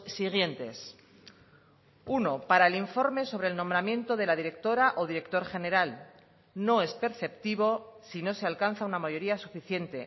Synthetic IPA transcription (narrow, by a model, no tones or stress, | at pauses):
siɣ̞je̞nt̪e̞s | uno̞paɾaeliɱfo̞ɾme̞so̞β̞ɾeːlnõmbɾamjẽ̞nt̪o̞ðe̞laðiɾe̞k̚t̪o̞ɾaʔo̞ð̞iɾe̞k̚t̪o̞ɾxe̞ne̞ɾal | no̞e̞spe̞ɾθe̞pt̪iβ̞o̞sino̞sealkan̟θaunamaʝo̞ɾiasufiθje̞nt̪e̞